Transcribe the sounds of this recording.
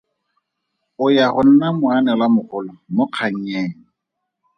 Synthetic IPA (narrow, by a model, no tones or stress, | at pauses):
ʊjaχʊn̩namʊanɛlamʊχʊlɔmʊq͡χʰaŋ̩ɲeːŋ̩